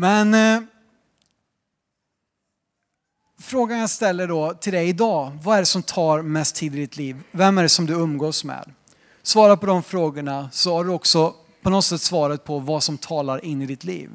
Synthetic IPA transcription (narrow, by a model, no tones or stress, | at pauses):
mɛn | fɾoːɡanast̪ɛlːəɖɔt̪ʰɪld̪ɛjɪd̪ɑːvaæɖɛsɔmt̪ʰɑːɾmɛst̪ʰːiːd̪ɪd̪ɪt̪liːvːɛmːæɖɛsɔmd̪ɵɵmːɡoːsmḛːd̪ | svɑːɾapʰɔd̪ɔmfɾoːɡəɳasɔhaɖɵɔksɔ | pʰɔnɔt̪sɛt̪ːsvɑːɾat̪̚pʰɔvasɔmt̪ʰɑːlaɾɪnːɪd̪ɪt̪ʰlḭːv